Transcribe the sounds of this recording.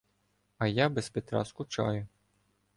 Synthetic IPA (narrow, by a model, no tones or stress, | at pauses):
ɐjabespet̪ɾɑ̰skʊt͡ʃɑ̰jʊ